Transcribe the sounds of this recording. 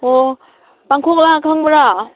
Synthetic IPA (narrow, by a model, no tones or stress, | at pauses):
o | paŋkʰoklakʰaŋbɯɾa